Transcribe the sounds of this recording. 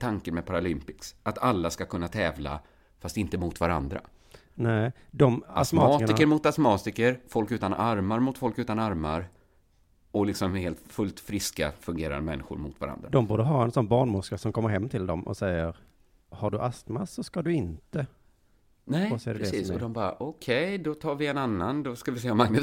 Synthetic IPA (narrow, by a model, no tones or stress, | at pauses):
t̪ʰaŋkənmɛpʰaɾalɪmpɪksʔat̪ʰalːaskakʰɵnːat̪ʰɛːvla̰ | fast̪ɪnt̪əmʊt̪vaɾa̰nd̪ɾa̰ | nɛd̪ɔmasmːɑːɪkəɾmʊt̪asmɑːt̪ɪkəɾfɔlkʉ̟ːt̪anʔaɾmaɾmʊt̪fɔlkʉ̟ːt̪anaɾmaɾ | ɔlɪksɔmheːlt̪fɵlt̪fɾɪska̰fɵŋɡeːɾa̰nd̪əmɛ̰nːɪ̰ɧʊ̰ɾmʊ̰t̪va̰ɾa̰nd̪ɾad̪ɔmbuːd̪əɦɑːɛnsɔnːbɑːɳmʊskəsɔmkʰɔmːəɾɦɛmːt̪ʰɪld̪ɔmɔ̰sɛjːəɾ | haɖɵʔast̪masːɔskad̪ɵɪnt̪ə | nɛːsed̪ɾiːsɔd̪ɔmbɑːɾa̰ʔɔkʰɛjd̪ɔt̪ʰɑːɾvɪɛnanːand̪ɔskavɪseːɔmaŋnə